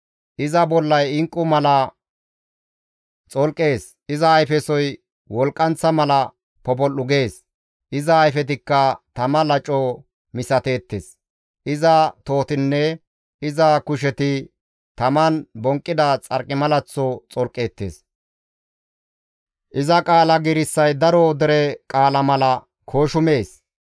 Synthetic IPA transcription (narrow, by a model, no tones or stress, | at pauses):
ʔɪzɐbɔlːɐjɪŋkʼːʊmɐlɐ | t͡sʼɔlkʼːe̞ːs | ʔɪzɐːjfɛsɔj | wɔlkʼːɐnt͡sːɐmɐlɐ | pɔbɔlːʊɡe̞ːs | ʔɪzɐːjfɛt̪̬ɪkːɐt̪ɐmɐlɐt͡ʃʼːɔ | mɪsɐt̪e̞ːt̪ːḛːs | ʔɪzɐt̪o̞ːt̪ɪnːɛ | ʔɪzɐkʊʃ̬ɛt̪ɪ | t̪ɐmɐnbɔŋkʼːɪd̪ɐt͡sʼɐɾkʼːɪmɐlɐt͡sːɔt͡sʼɔlkʼːe̞ːt̪ːḛːs | ʔɪzɐkʼaːlɐɡɪɾɪsːɐjd̪ɐɾɔd̪ɛɾɛkʼaːlɐmɐlɐ | kʰoːʃʊme̞ːs